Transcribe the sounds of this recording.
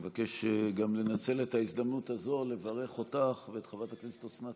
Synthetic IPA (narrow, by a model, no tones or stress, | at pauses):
vake̞ʃeɡamle̞nat͡se̞letaisd̪amnutazo̞le̞vaʁe̞χo̞taχveːtχavataklisi̥t̪osna